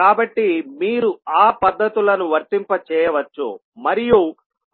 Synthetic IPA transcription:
aːbɐʈːimiːɾuaːpɐd̪ːɐt̪ulɐnuʋɐɾt̪impɐt͡ʃɛːjɐʋɐt͡ʃːṵ | mɐɾiju

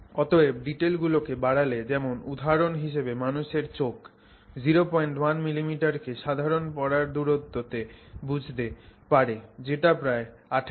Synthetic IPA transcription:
ɔt̪oeɖiʈelɡulokebaɽaled͡ʑɛmonud̪ʱaɾonɦiʃebemanuʃeɾt͡ɕok | d͡ʑiɾopɔjɳʈwanmilimiʈaɾkeʃad̪ʱaɾonpɔɽaɾd̪uɾot̪ːot̪ebud͡ʑʱt̪epaɾed͡ʑeʈapɾaeaʈʰ

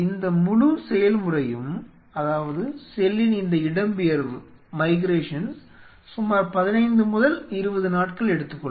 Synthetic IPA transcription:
ɪnd̪ɐmʊɻusɛjɐlmʊrɐjɯm | ɐðaːʋɐðɯsɛlːɪnɪnd̪ɐɪɽɐmbɪjɐɾʋɯ | mɐɪɡɾeːʂɐn | sʊmaːɾpɐðɪnɐɪnd̪ɯmʊðɐlɪɾɯbɐðɯnaːʈkɐɭɛɽɯt̪ːɯkːɔ

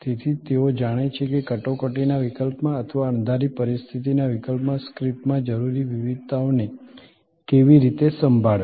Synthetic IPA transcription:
t̪et̪ʰit̪eod͡ʒaɽ̃et͡ʃʰekekəʈokəʈinaʋikəlpmãət̪ʰʋaəɳ̃d̪ʱaɾipəɾist̪ʰit̪inaʋikəlpmãskɾiʈmãd͡ʒəɾuɾiʋiʋid̪̚t̪aone | keʋiɾit̪esəmbʱaɭ

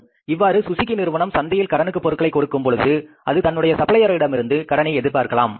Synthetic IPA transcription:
ɪʋːaːɾɯsʊsɪkːɪnɪɾʋɐɳɐmsɐnd̪ɐjɪlkɐɽɐnɯkːɯpːɔɾɯkːɐɭɐɪkːɔɽɯkːɯmpɔɻɯðɯʔɐðɯt̪ɐnːɯɽɐjɐsɐpɐlɐjɐɾɐɪɽɐmɪɾɯnd̪ɯkɐɽɐnɐɪɛðɪɾpaːɾɣɐɭaːm

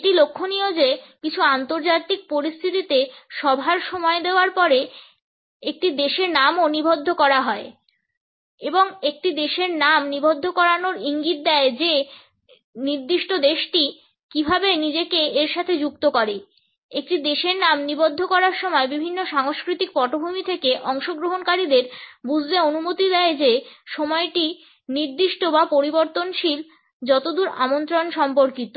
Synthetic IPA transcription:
ʈilokʰːonijod͡ʑekit͡ɕʰuant̪oɾd͡ʑat̪ik̚poɾist̪ʰit̪it̪eʃɔbʱaɾʃɔmɔed̪eoaɾpɔɾe | ek̚ʈid̪eʃeɾnamonibʱod̪ʱːokɔɾaɦɔe | eboŋek̚ʈid̪eʃeɾnamnibʱod̪ʱːokɔɾanoɾiŋɡit̪̚d̪ɛed͡ʑe | niɾd̪iʃʈod̪eʃʈi | kibʱabenid͡ʑekeeɾʃat̪ʰed͡ʑuk̚t̪okɔɾe | ek̚ʈid̪eʃeɾnamnibod̪ʱːokɔɾaɾʃɔmɔebibʱinːoʃaŋoʃkɾit̪ik̚pɔʈobʱumit̪ʰekeʔɔŋʃoɡɾoɦonkaɾid̪eɾbud͡ʑʱleonumot̪id̪ɛed͡ʑeʃɔmɔeʈi | niɾd̪iʃʈobapoɾiboɾt̪onʃil | d͡ʑɔt̪od̪uɾa̰mont̪ɾonʃɔmpoɾkit̪o

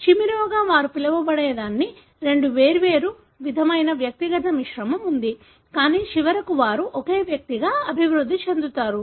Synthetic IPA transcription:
ʃimiɾoːɡaːʋaːɾupilɐʋɐbɐɽeːd̪aːnːi | ɾe̞ɳɖuʋeːɾuʋe̞ːɾu | ʋid̪ʱɐmɐjnɐʋjɐk̚t̪iɡɐt̪ɐmiʂɾɐmɐmund̪i | kaːniːʃiʋɐɾɐkuʋaːɾuʔɔke̞ːʋjɐk̚t̪iɡaːɐbʱiʋɾud̪ʱːit͡ʃe̞nd̪ut̪aːɾu

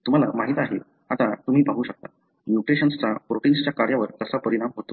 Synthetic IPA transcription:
t̪um̤ala̰maɦit̪aɦe | at̪at̪um̤iːpaɦuːɕək̚t̪a | mjuʈɾeɕənst͡sapɾoʈinst͡ɕjakaɾjaʋəɾt̪əsapəɾiɽ̃amɦot̪o

